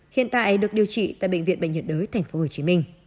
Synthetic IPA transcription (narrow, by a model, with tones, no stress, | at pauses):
hḭ˧˨ənt̪a̰ː˧˨ʔə˨˦jɗɨ˨˩ək̚ɗi˨˩əwt͡ɕḭ˧˨t̪a̰ː˧˨jɓə̰˧˨jŋvḭ˧˨ənɓə̰˧˨jə˨˩t̚ɗəː˨˦jt̪ʰa˨˩jŋ̟fo˨˦ho˨˩t͡ɕi˨˦mi˧ŋ̟